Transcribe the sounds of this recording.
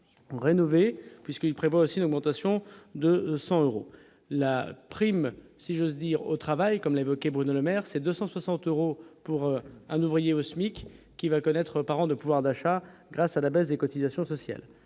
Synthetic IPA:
ʁenɔvepɥiskilpχevwaosiːnɔɡmɑ̃t̪asjɔ̃d̪əsɑ̃øʁo̰ | lapχimsiʒozd̪iʁo̰t̪χavajkɔmlaevɔkʲebʁynoləmɛʁsɛd̪øsɑ̃swasɑ̃t̪øʁopuʁɛ̃nuvʁijeɔsmikː | ivakɔnɛt̪χəpaʁɑ̃d̪əpuvwaʁd̪aʃaɡʁasalabɛsd̪ekɔt̪izasjɔ̃sɔsja̰l

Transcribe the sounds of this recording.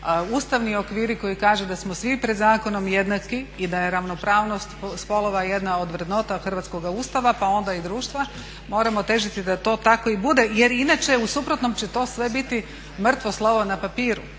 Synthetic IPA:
uːst̪aʋnio̞kʋiːɾiko̞jikaːʒed̪asmosʋipɾed̪zaːko̞no̞mje̞d̪nakiid̪aje̞ɾaʋno̞pɾaːʋno̞st̪spolo̞ʋaje̞d̪nao̞d̪ʋɾed̪no̞t̪axr̩ʋat̪sko̞ɡauːst̪aʋapao̞nd̪aid̪ɾuːʃt̪ʋa | mo̞ːɾamot̪e̞ʒit̪id̪at̪o̞ːt̪ako̞ibud̪e̞je̞ɾinat͡ʃe̞usupɾo̞t̪no̞mt͡ɕet̪o̞ːsʋe̞bit̪i | mr̩t̪ʋo̞slˠoʋonapapiːɾu

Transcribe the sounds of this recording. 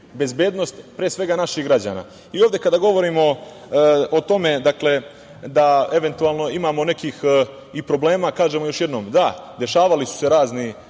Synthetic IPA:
be̞zbe̞ːd̪no̞st̪pɾeːsʋe̞ɡanaʃiɣɡɾad͡ʑa̰ːna̰ː | ioːvd̪e̞kad̪aɡo̞ʋo̞ɾiːmo̞ | ot̪o̞me̞d̪akle̞ | d̪ae̞ʋe̞nt̪ualˠno̞imaːmo̞ne̞kiːx | ipɾo̞ble̞ːmaːkaːʒemojo̞ʃje̞d̪no̞ːmd̪ad̪e̞ʃaːʋalisu̥se̞ɾaːzni

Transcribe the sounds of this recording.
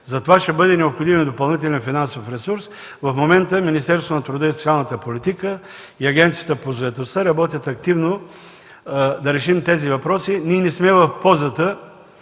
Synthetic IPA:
zɐt̪ovaʃt̪ɛbɤd̪ɛnɛopxod̪imd̪opɐlˠnit̪ɛlʲɛnfinansofɾɛsuɾs | vɐfmomɛnt̪əminist̪ɛɾst̪vonɐt̪ɾʊd̪əisot̪sʲialˠnət̪əpolit̪ikə | iɐɡʲɛnt̪sijət̪əpozoɛt̪ost̪əɾɐbɔt̪ʲjət̪ɐk̚t̪ivno | d̪ɐɾɛʃimt̪ɛzivɐpɾɔsiniɛnɛsmɛvɐfpɔzət̪ə

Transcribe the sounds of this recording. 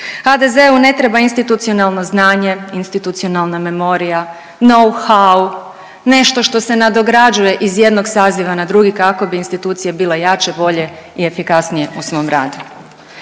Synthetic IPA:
xad̪e̞ze̞une̞t̪ɾe̞bainst̪it̪ut̪sio̞nalˠno̞znaːɲe̞inst̪it̪ut̪sio̞nalˠname̞mo̞ɾija | no̞wxaw | ne̞ʃt̪o̞ʃt̪o̞se̞nad̪o̞ɡɾad͡ʒuje̞ʔizje̞d̪no̞ɡsaːziʋanad̪ɾuɡikako̞biinst̪it̪uːt̪sijebiːle̞jaːt͡ʃe̞bo̞ʎe̞ie̞fikasnije̞usʋo̞mɾa̰ːd̪u

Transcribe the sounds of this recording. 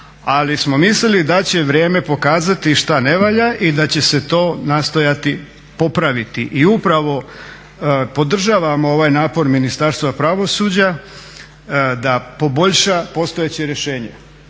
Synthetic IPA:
alismo̞mislilid̪at͡ɕe̞ʋɾje̞ːme̞po̞kaːzat̪iʃt̪ane̞ʋaːʎaʔid̪at͡ɕe̞se̞t̪o̞ːnaːst̪o̞jat̪i | po̞pɾaʋit̪iʔiupɾaʋo̞ | po̞d̪r̩ʒaːʋamoo̞ʋajnaːpo̞ɾminist̪aɾst̪ʋapɾaʋo̞suːd͡ʑa | d̪apo̞bo̞ʎʃapo̞st̪o̞jet͡ɕeɾeʃe̞ːɲe

